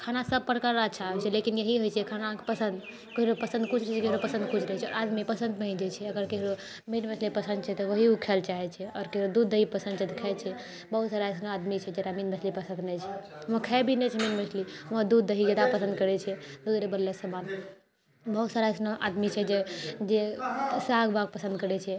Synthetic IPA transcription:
kʰanasəb̚pəɽkaɾaət͡ʃʰaɛt͡ʃʰɛlekinjeɦiɦojt͡ʃʰɛkʰanapəsə̃nd̪ | kəɦiɾopəsə̃nd̪̚kut͡ʃʰɾəɦɛt͡ʃʰɛkəɦiɾopəsə̃nd̪̚kut͡ʃʰɾəɦɛt͡ʃʰɛɔ̰ɾad̪mipəsə̃nd̪̚pəɦĩd͡ʒɛt͡ʃʰɛəɡəɾkəɦiɾo | minmət͡ʃʰlipəsə̃nd̪̚t͡ʃʰɛt̪ɔʋəɦiukʰɛlt͡ʃaɦɛt͡ʃʰɛɔːɾkəɦiɾod̪ud̪ːəɦipəsə̃nd̪t͡ʃʰɛt̪ɔkʰɛt͡ʃʰɛ | bəɦut̪saɾaesnoad̪mit͡ʃʰɛd͡ʒeɾaminmət͡ʃʰlipəsə̃nd̪nɛt͡ʃʰɛɦməkʰɛbʱinɛt͡ʃʰɛminmət͡ʃʰliməd̪ud̪ːəɦid͡ʒad̪apəsə̃nd̪kəɾɛt͡ʃʰɛd̪usɾebəlːesəman | bəɦut̪saɾaesnoʔa̰d̪mit͡ʃʰɛd͡ʒed͡ʒesaɡbʱaɡ̚pəsə̃nd̪kəɾɛt͡ʃʰɛ

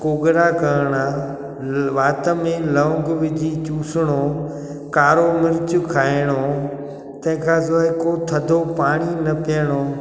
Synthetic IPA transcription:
koːɡɾakɐɾɽ̃a | ʋaːt̪əmẽlɐ̃ɡʋɪd͡ʑʱit͡ɕuːsɪɽ̃oː | kaːɾomɪɾɪt͡ɕʊkʰaːɪɽ̃o | t̪ɐ̃ɦɪ̃kʰãːzoːɪkot̪ʰɐd̪ʱopaːɽ̃inɐpiəɽ̃oː

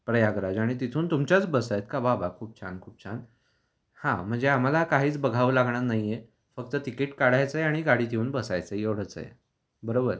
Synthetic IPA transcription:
pɾəjaɡɾad͡zaɽ̃it̪it̪ʰuːnt̪umt͡ɕjat͡sbəsajet̪̚kababʱakʰuːp̚t͡ɕʰa̰nkʰuːp̚t͡ɕʰan | hãm̤əɳd͡zeam̤alakaɦiːt͡sbəɡʱaʋlaɡɳanaɦjje | fəkt̪ət̪ikiːʈkaɽajt͡səjaɽ̃iɡaɽiːd̪euːnbəsajt͡səjeʋɽ̤ət͡sə̰jḛ | bəɾobəɾ

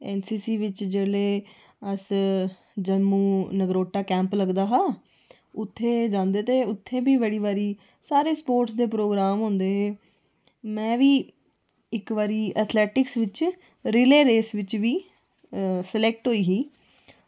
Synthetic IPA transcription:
ɛːnsiːsiːʋɪt͡ʃd͡ʒeːleː | əs | d͡ʒəmuːnəɡɾoːʈːaːkɛ̃ːmpləɡd̪aːɦaː | ʊt̪ʰːeːd͡ʒãːnd̪eːt̪eːʊt̪ʰːẽːbiːʋəːɽiːʋaːɾiː | saːɾeːspoːɾʈsd̪eːpɾoːɡɾaːmɦʊ̃ːnd̪eːɦeː | mɛ̃ːʋiː | ɪkʋaːɾiːʔət̪ʰlɛːʈɪksʋɪt͡ʃ | ɾɪleːɾeːsʋɪt͡ʃʋiː | səlɛːk̚ʈɦoːiːɦiː

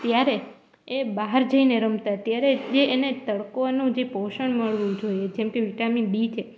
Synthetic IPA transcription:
t̪jaɾe | ebaɦəɾd͡ʒəineɾəmt̪at̪jaɾed͡ʒeːnet̪əɭkonũd͡ʒepoʃəɳməɭʋũd͡ʒojed͡ʒɛmkeʋiʈaminbit͡ʃʰe

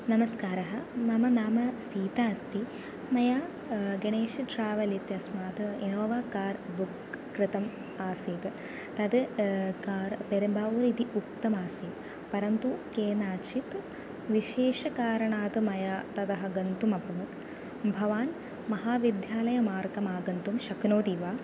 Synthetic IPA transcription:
nɐmɐskaːɾɐɦɐmɐmɐnaːmɐsiːt̪aːst̪i | mɐjaː | ɡɐɳeːʃitɾaːʋɐlit̪jɐsmaːt̪ɨinoːʋaːkaːɾbukː | ɾɨt̪ɐm | aːsiːt̪ | t̪ɐd̪ɨkaːɾpeɾɐmbaːuːɾit̪iʔuk̚t̪ɐmaːsiːt̪ | pɐɾɐnt̪ukeːnaːt͡ʃʰit̪ | ʋiʃeːʃɐkaːɾɐɳaːt̪ɨmɐjat̪ɐd̪ɐɦɐɡɐnt̪umɐbʱɐʋɐt̪ | bʱɐʋaːn | mɐɦaːʋid̪ʱjaːlɐjɐmaːɾkɐmaːɡɐnt̪umʃɐknoːt̪iʋaː

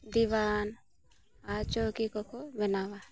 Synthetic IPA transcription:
d̪iʋaːn | at͡ʃokikɔkobɛnawa

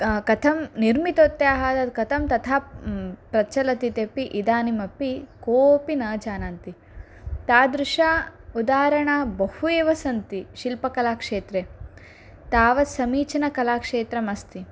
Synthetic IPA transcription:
kɐt̪ʰɐmniɾmit̪oːt̪ːjeaɦaːd̪ɐkɐt̪ʰɐmt̪ɐt̪ʰaːpɾɐt͡ʃɐlɐt̪it̪epiʔid̪aːnimɐpːikoːpinɐːd͡ʒaːnaːnt̪i | t̪aːd̪ɾuʃaːud̪aːɾɐɳaːbɐhueːʋɐsɐnt̪iʃilpɐkɐlaːkʂeːt̪ɾe | t̪aːʋɐsɐmiːt͡ʃɐnɐkɐlaːkʂeːt̪ɾɐmɐst̪i

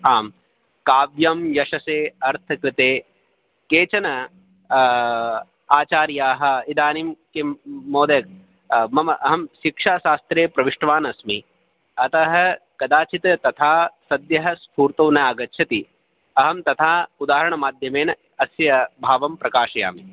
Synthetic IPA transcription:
aːm | kaːʋjɐmjɐʃɐseːɐɾt̪ʰɐkɾɪt̪eː | keːt͡ʃɐnɐ | aːt͡ʃaːɾjaːɦɐ̆id̪aːnimkemoːd̪ɐk̚ | mɐmɐʔɐɦɐmʃikʂaːʃaːst̪ɾeːpɾɐʋiʂʈɐʋaːnɐsmi | ɐt̪ɐɦɐ̆kɐd̪aːt͡ʃit̪ɐt̪ɐt̪ʰaːsɐd̪jɐɦɐ̆spʰuːɾt̪oːnɐaːɡɐtːt͡ʃʰɐt̪i | ɐɦɐmt̪ɐt̪ʰaːud̪aːɦɐɾɐɳɐmaːd̪ʱjɐmeːn | ɐsjɐbʱaːʋɐmpɾɐkaːʃɐja̰ːmi

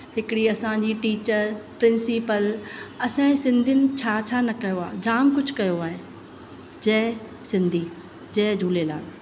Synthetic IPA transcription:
hɪkɽiɐsãɲd͡ʑiːʈiːt͡ɕəɾpɾɪ̃nsipəlɐsãsɪ̃nd̪ʱɪnɪ̆t͡ɕʰaːt͡ɕʰaːnɐkɐjoaːd͡ʑaːmkʊd͡ʑʱkɐjoaːɦe | d͡ʑɐɦ | sɪ̃nd̪ʱiː | d͡ʑɐɦd͡ʑʱuːlela̰ːl

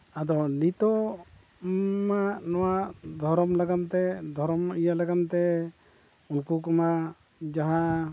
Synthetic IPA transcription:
ad̪ɔnit̪ɔ | maʔnɔwaʔd̪ʱɔɾɔmlaɡant̪ɛd̪ʱɔɾɔmijalaɡant̪ɛ | unkukɔma | d͡ʒaɦa

